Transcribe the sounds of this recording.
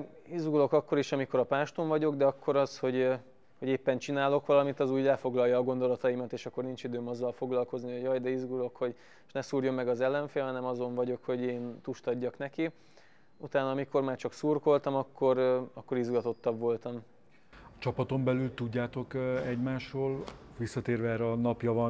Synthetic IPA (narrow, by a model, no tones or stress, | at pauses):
izɡulo̞kɒkːoɾiʃɒmiko̞ɾɒpaːʃt̪oɱvɒɟo̞ɡd̪ɛɒkːo̞ɾɒsho̞ɟ | hoɟeːpːɛnt͡ʃinaːlo̞kʋɒlɒmit̪ɒzuːɟlɛfo̞ɡlɒjːɒːɡo̞nd̪o̞lɒt̪ɒjimɒt̪eːʃɒkːo̞rnint͡ʃid̪øːmɒzːɒlfo̞ɡlɒlko̞znihoɟɒjd̪ɛizɡulo̞kho̞ɟ | ʃnɛsuːrjo̞mːɛɡɒzɛlːɛɱfeːlɦɒnɛmɒzo̞ɱvɒɟo̞kho̞ɟeːnt̪uʃt̪ɒɟːɒknɛki | ut̪aːnɒːmiko̞rmaːrt͡ʃɒksuːrko̞lt̪ɒmɒkːo̞ɾɒkːo̞ɾizɡɒt̪o̞t̪ːɒbʋo̞lt̪ɒm | ɒt͡ʃɒpɒt̪o̞mbɛlylt̪uɟːaːt̪o̞kɛɟmaːʃroːlʋisːɒt̪eːrvɛɛːɾɛɒnɒpjɒvɒn